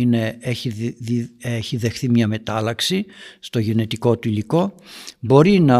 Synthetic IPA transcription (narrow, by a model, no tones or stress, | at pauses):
ine̞eçiieçiðe̞xθimɲɐme̞t̪ɐlɐksist̪o̞ʝene̞t̪iko̞t̪uiliko̞bo̞ɾinɐ